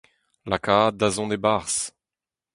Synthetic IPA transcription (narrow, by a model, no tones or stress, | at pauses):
lakaːd̪azɔ̃d̪ebaʁs